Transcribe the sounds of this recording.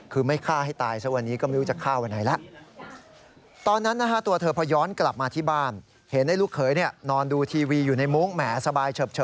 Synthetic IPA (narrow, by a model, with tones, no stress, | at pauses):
kʰɯː˧ma˥˩jkʰaː˥˩ha˥˩jt̪aː˧jsa˦˥wa˧nːiː˦˥kɔː˥˩m˦˥ɾu˦t͡ɕa˨˩kʰːaː˥˩wa˧nːʔa˩˦jla˦˥ʔ | t̪ɔː˧nːa˦˥nːaː˦˥kʰa˦˥˩t̪u˧ɐt̪ʰɤː˧pʰɔː˧˥jɔː˦˥nkla˨˩p̚maː˧t̪ʰiː˥˩baː˥˩n | he˩˦nda˥˩jlu˦˥˩kʰːɤː˩˦jni˥˩ɐnɔː˧nduː˧t̪ʰiː˧wiː˧juː˨˩na˧jmu˦˥ŋmɛː˩˦sa˧baː˧jt͡ɕʰɤː˨˩p̚t͡ɕʰɤ˨˩